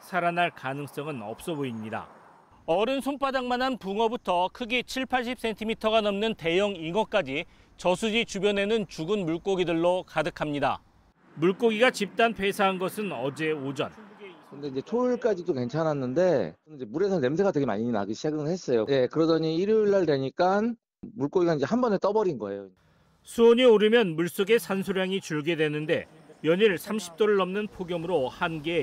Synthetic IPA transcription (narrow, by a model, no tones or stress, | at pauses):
sʰaɾanaɭkanɯŋs͈ʌŋɯnʌ̰p̚s͈ʌboimɲida̰ | ʌɾɯnsʰonpʰadaŋmanɦanpuŋʌbutʰʌkʰɯɡit͡ɕʰiɭpʰaɭɕ͈ip̚s͈entʰimitʰʌɣanʌmnɯnte̞jʌŋiŋʌk͈ad͡ʑi | t͡ɕʌsʰud͡ʑit͡ɕubjʌne̞nɯnt͡ɕuɡɯnmuɭk͈oɡidɯɭːokadɯkʰamɲida̰ | muɭk͈oɡiɡat͡ɕip̚t͈anpʰe̞sʰaɦanɡʌsʰɯnʌd͡ʑe̞od͡ʑʌnkɯnde̞iɲd͡ʑe̞t͡ɕʰoiɭk͈ad͡ʑidoke̞nt͡ɕʰanɦanːɯnde̞nid͡ʑemuɾe̞sʰʌne̞msʰeɡadwe̞ɡema̰ɲina̰ɡiɕʰaɡɯnɯɭhe̞s͈ʌjone̞kɯɾʌdʌɲiiɾjoiɭːaɭdwe̞ɲik͈an | muɭk͈oɡiɡaind͡ʑe̞hambʌnet͈ʌbʌɾinɡʌe̞̰joi | sʰuoɲioɾɯmjʌnmuɭs͈oɡe̞sʰansʰoɾjaŋit͡ɕuɭɡe̞dwe̞nɯnde̞ | jʌɲiɭsʰamɕʰi̥p̚t͈oɾɯɭːʌmnɯnpʰoɡjʌmɯɾohanɡeː